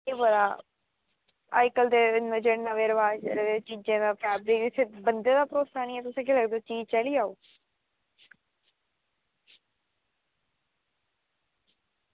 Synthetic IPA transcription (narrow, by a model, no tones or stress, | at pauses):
eːbəd̪aː | aːɪkəld̪eːɪnəd͡ʒeɽnəʋeːɾəʋaːd͡ʒə̰ɾed̪eːt͡ʃid͡ʒẽːd̪aːpʰɛːbɾikɪsebənd̪eːd̪aːpɾoːsaːnĩːɛːt̪ʊsẽːkeləɡd̪oːt͡ʃiːzt͡ʃəliːaːoː